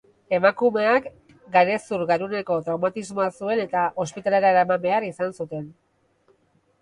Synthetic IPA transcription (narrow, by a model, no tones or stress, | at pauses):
e̞makume̞ak | ɡaɾe̞suɾɣaɾune̞ko̞t̪ɾawmat̪izmo̞asue̞ne̞t̪aʔo̞spit̪aleɾaɾamame̞aɾisansut̪e̞n